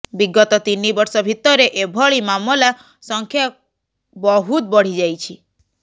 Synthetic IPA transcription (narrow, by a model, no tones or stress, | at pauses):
biɡɔt̪ɔt̪inibɔɾsɔbʱit̪ɔɾeʔebʱɔɭimamɔla | sɔŋkʰja | bɔɦut̪̚bɔɽ̤id͡ʒajt͡ʃʰi